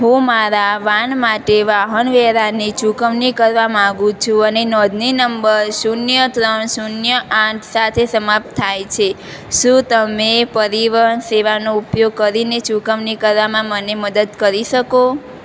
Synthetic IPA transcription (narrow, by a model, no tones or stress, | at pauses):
ɦũmaɾaʋanmaʈeʋaɦənʋɛɾanit͡ʃukəʋnikəɾʋamãɡũt͡ʃʰũənenɔd̪ʱninəmbəɾsunjət̪ɾəɳsunjəʔãʈʰsat̪ʰesəmap̚t̪ʰːajt͡ʃʰe | ʃũt̪əmepəɾiʋəɦənseʋanoupjoɡ̚kəɾinet͡ʃukəʋnikəɾʋamãməneməd̪əd̪kəɾiʃəko